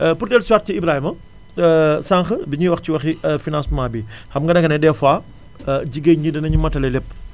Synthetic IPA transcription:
purdɛlsuwat̚ciibɾaːhimɐ | saŋxəbiɲiwɐxciwɐxifinãnsmaːbixɐmŋɡɐnɐŋkɐnɛdɛfwaː | ɟiɡeɲd͡ʒidɐnɐɲumɐtɐlɛlɛpː

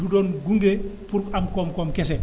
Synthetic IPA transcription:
dudɔːnɡuŋɡepuɾkamkɔmkɔmkɛs̬ɛ

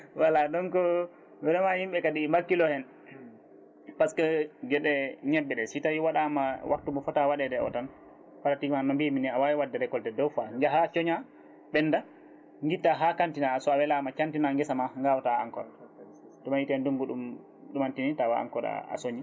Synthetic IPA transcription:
waladɔnkɔ | bɛɗɔmahimɓɛkaɗimbakːilɔhɛn | paskɛd͡ʒɛɗɛɲɛbːɛɗɛsitawiwaɗamawʔa̰k̚tumɔfɔtawaɗɛdɛɔ̰tan | fatatimanɔmbiminiawawiwadːɛɾɛkɔldɛdɔwfaɲd͡ʒaɦat͡ʃɔɲa | ɓɛnːda | ŋɡitːaɦakantinasɔawɛlamat͡ʃantinaŋɡɛsamaŋɡawɔtaa̰ŋkɔ̰l | tɔmajitɛnduŋɡuɗum | ɗumantinitawaa̰ŋkɔɗa̰a̰soɲi

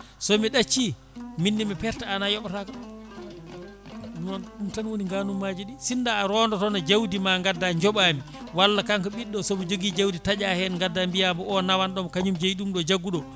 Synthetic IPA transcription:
sɔmiɗat͡ʃːi | minːimɛpɛɾtaːnajɔɓatak | nanɗumtanwoniŋɡanumːad͡ʒiɗisindaːɾɔndɔtɔnad͡ʒawdimaŋɡadːaɲd͡ʒɔɓami | walːakaŋkɔɓiɗːɔsɔbɔd͡ʒoɡid͡ʒawditad͡ʒahɛnŋɡadːambijamɔɔnawanɗɔmkaɲumd͡ʒejɗumɗɔd͡ʒaɡːuɗɔ

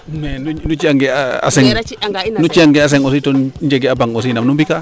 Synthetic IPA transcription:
nenunut͡ʃiaŋɡeaa̰seŋnut͡ʃiaŋɡeas̬eŋositond͡ʒeɡeabaŋos̬inamnumbika

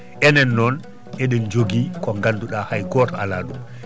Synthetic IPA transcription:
ʔɛnɛnːɔn | ʔɛɗɛnd͡ʒoɡikɔŋɡanduɗahajɡɔtɔalaːɗum

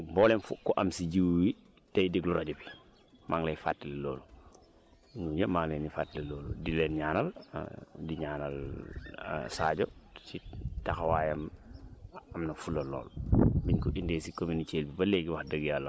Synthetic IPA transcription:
bɔːlɛmfukɔʔɐmsiɟiwwi | tɐjdiɡluɾaɟobi | maŋlɛjfa̰tːileloːlu | ɲuɲəmaŋlɛnifaːtːileloːludilɛːnɲaːnɐl̰ | diɲaːnɐl̰ | saːɟot͡ʃitaxɐwaːjɐm | ɐmnɐfulɐlɔ̰ːlbiɲkuʔindeːsikominit͡ʃeːlbibɐleːɡiwaxdəɡjaːlːɐ

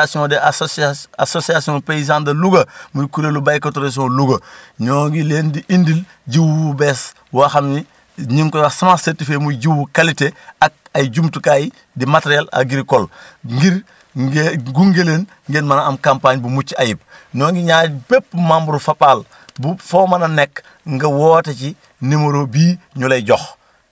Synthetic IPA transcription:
asiõdeaasosiasiõpeis̬ãːndɐluɡɐmudikuɾelubajkatoɾes̬iõluɡɐɲɔːŋɡileːndiʔindil | ɟiwubeːs | waxamni | ɲiŋkojasamasetifeːmuɟiwukaliteak̚aɟumtukaji | dimateɾiala̰ɡiɾkolɡiɾ | ɡuŋɡeleːn | ŋɡenmanaamkampaɲbumut͡ʃːajip̚ | ɲɔːŋɡiɲaːpep̚ːmambuɾufapaːl | bufomɐnɐnekː | ŋɡɐwoːteci | nimoɾobiːɲolejɟox

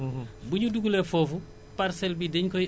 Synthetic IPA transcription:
buɲuduɡulɛfɔːfu | paɾsɛlbidɛɲkɔj

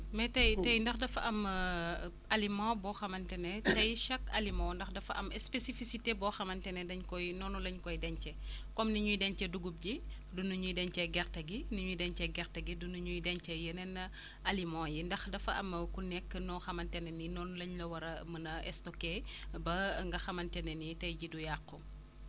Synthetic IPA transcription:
mɛtɐjtɐjndɐxdɐfɐʔɐm | ɐlimãːbɔːxɐmɐntɛnɛtɐjʃɐkɐlimãndɐxdɐfɐʔɐmɛspesifisitebɔxɐmɐntɛnɛdɐɲkɔjnɔːnulɐɲkɔjdɛɲt͡ʃɛkɔmniɲujdɛɲt͡ʃɛduɡup̚ɟi | dunuɲujdɛɲt͡ʃɛɡɛɾtɐɡiniɲujdɛɲt͡ʃɛɡɛxtɐɡidunuɲujdɛɲt͡ʃɛjənɛnːɐ | ɐlimãːjindɐxdɐfɐʔɐmɐkunɛkːənɔxɐmɐntɛnɛninɔːnulɐɲlɐwɐɾɐmɐnɐʔɛstɔkebɐŋɡɐxɐmɐntɛnɛnitɐjɟidujaqːɔ

